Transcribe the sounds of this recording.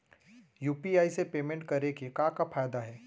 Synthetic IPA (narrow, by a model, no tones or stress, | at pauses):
juːpiaːisepeːmẽɳʈkɐɾekikãːkafaːjd̪aɦɛː